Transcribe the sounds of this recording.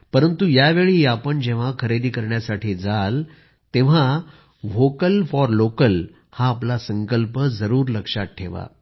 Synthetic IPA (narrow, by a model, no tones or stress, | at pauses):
pəɾənt̪ujaʋeɭiapəɳd͡ʑeʋ̤akʰəɾed̪iːkəɾɳjasaʈʰiːd͡zal | t̪eʋ̤a | ʋokəlfɔɾlokəl | haːplasə̃ŋkəlpəd͡zəɾuːɾləkʂat̪̚ʈʰeʋa̰